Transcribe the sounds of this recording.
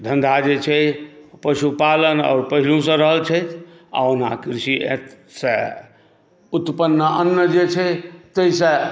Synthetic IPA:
d̪ʱənd̪ʱad͡ʒet͡ʃʰɛpəsupalənɔ̰ːɾpəɦilũsə̃ɾəɦəlt͡ʃʰəjt̪ʰ | a̰ona̰kɾsiḛt̪ | sə̃ | ut̪pənːəʔənːəd͡ʒet͡ʃʰɛt̪əisə̃

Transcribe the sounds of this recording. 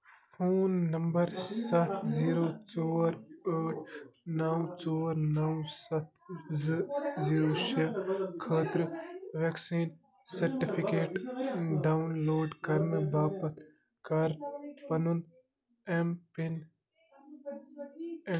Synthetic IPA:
pʰoːnːɐmbɐɾsɐt̪ʰziːɾoːt͡ʃoːɾəːʈʰ | nɐwt͡ʃoːɾnɐwsɐt̪̚ʰzziːɾoːʃekʰəːt̪ɾʋeksiːn | sɐɾʈipʰikeːʈɖaːwnloːɖkɐɾmibaːpɐt̪ʰ | kɐɾpɐnun | empin

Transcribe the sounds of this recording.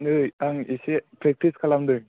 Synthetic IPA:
ŋɯjaŋisepɾek̚tiskʰalamdɯj

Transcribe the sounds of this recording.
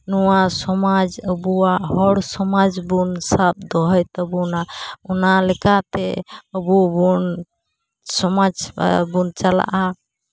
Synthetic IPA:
nɔwasɔmad͡ʒəbuwaʔhɔɽsɔmad͡ʒbunsap̚d̪ɔɦɔjt̪ɔbunaɔnalɛkat̪ɛəbubun | sɔmad͡ʒ̰bunt͡ʃala̰ʔa

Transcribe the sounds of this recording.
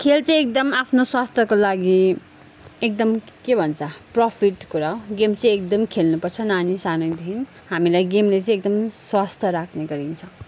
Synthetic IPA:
kʰelt͡sʌ̃ĩek̚d̪ʌmapʰnoswast̪ʰjʌkolaɡi | ek̚d̪ʌm | kebʱʌnt͡sʰʌprʌpʰiʈkuɾaoɡemt͡sʌj̃ekd̪ʌmkʰelnupʌrt͡sʰʌnanisanʌjd̪ʱin | ɦamilajɡemlet͡sʌ̃ĩek̚d̪ʌmswast̪ʰjʌɾakʰneɡʌɾint͡sʰʌ̃w̃

